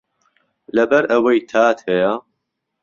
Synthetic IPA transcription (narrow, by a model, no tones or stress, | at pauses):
lɐbɐɾʔɐwɐjt̪ʰaːt̪hɛja